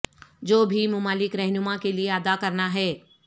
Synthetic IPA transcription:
d͡ʒoːbʱimʊmaːlɪkɾɛɦnʊmakelieɐd̪akɐɾnaɦɛː

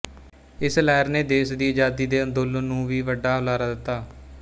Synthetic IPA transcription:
ɪslɛːɾneːd̪eːsd̪iːd͡ʒaːd̪iːd̪eːənd̪olnũːʋiːʋəɖːaːʊlaːɾaːd̪ɪt̪ːaː

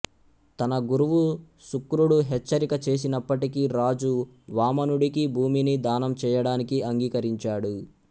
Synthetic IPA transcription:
t̪ɐnɐɡuɾuʋu | sukːɾuɽuɦɛt͡ʃːɐɾikɐt͡ʃe̞ːs̬inɐpːɐʈikiɾaːd͡ʒu | ʋaːmɐnuɽikibʱuːminid̪aːnɐmt͡ʃɛːjɐɽaːnikiɐŋɡiːkɐɾiɲt͡ʃaːɽu

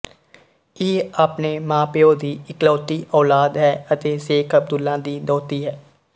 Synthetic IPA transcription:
eːaːpneːmãːpeːoːd̪iːɪklɔːt̪iːʔɔːlaːd̪ɦɛːət̪eːseːkəb̚d̪ʊlːãːd̪iːd̪ɔːt̪iːɦɛː

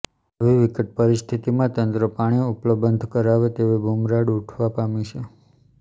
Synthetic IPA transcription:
əʋiʋikəʈ̚pəɾist̪ʰit̪imãt̪ənt̪ɾəpaɽ̃iupləbənd̪ʱkəɾaʋet̪eʋebʱomɾaɽuʈʰʋapamit͡ʃʰe

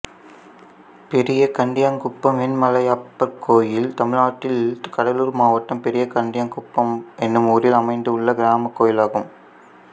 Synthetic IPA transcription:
pɛɾɪjɐkɐɳɖɪjaːŋkʊpːɐmɛnmɐlɐjaːpːɐɾkʰːoːjɪlt̪ɐmɪɻaːʈːɪlkɐɽɐluːɾmaːʋɐʈːɐmpɛɾɪjɐkɐɳɖɪjaːŋkʊpːɐmɛnːɯmuːɾɪlɐmɐɪnd̪ɯɯɭːɐɡɪɾaːmɐkːoːjɪlaːɣɯm

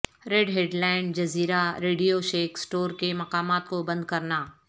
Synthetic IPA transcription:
ɾeːɖɦeːɖlaːɪnɖd͡ʒɐziːɾaɾeːɖijoʃeːksʈoːɾkemɐqaːmaːt̪̚kobɐ̃nd̪̚kɐɾnaː

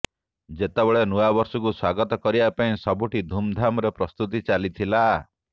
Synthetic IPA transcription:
d͡ʒet̪ebeɭenuabɔɾsɔkuswaɡɔt̪ɔkɔɾibapaĩsɔbuʈid̪ʱumd̪ʱamɔɾepɾɔst̪ut̪̬it͡ʃalit̪ʰila

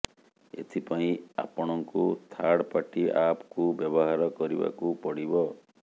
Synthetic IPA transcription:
ḛt̪ʰipaĩa̰pɔɽ̃ɔŋkut̪ʰaɽpaʈiʔapɔkubjɔbɔɦaɾɔkɔɾiba̰kupɔɽibɔ

